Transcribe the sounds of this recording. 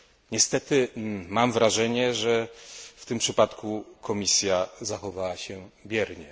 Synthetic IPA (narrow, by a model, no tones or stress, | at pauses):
ɲɛst̪ɛt̪ɘmamvɾaʐɛɲɛʐɛft̪ɘmpʂɘpat̪kukʰɔmʲisʲjazaxɔvawaɕɛbʲjɛɾɲɛ